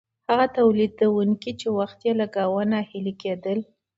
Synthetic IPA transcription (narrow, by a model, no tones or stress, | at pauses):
haɣat̪awlid̪awuŋkit͡ʃewaxt̪jelaɡawənahiliked̪əl